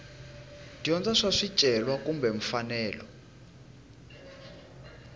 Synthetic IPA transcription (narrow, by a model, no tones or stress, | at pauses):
d̥iɔnd͡zaʂaʂit͡ʃʼɛlwakumbɛɱ̩fanɛːlɔ